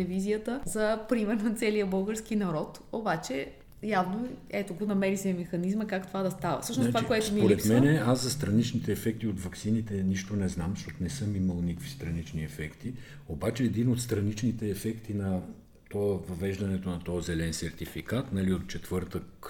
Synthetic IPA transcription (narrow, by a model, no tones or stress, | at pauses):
lɛvizijət̪əzɐpɾimɛɾnɐt̪sɛlijəbɤlˠɡəɾskinɐɾɔt̪ | obat͡ʃɛ | javnoɛt̪oɡonɐmɛɾisɛmɛxɐnizməkakt̪ovad̪ɐst̪avɐ̰fsɤʃnosovakoɛt̪omipoɾɛt̪mɛnɛaszɐst̪ɾɐnit͡ʃnit̪ɛːfɛk̚t̪iot̪vɐksinit̪ɛniʃt̪onɛznamzʃtɔt̪onɛsɤmiməlˠnikvist̪ɾɐnit͡ʃniɛfɛkt̪i | obat͡ʃɛːd̪inot̪st̪ɾɐnit͡ʃnit̪ɛːfɛkt̪inɐ | t̪ɔəvɐvɛʒd̪ɐnɛt̪onɐt̪ɔzɛlɛnsɛɾt̪ifikat̪nɐliot̪̚t͡ʃɛt̪vɤɾt̪ək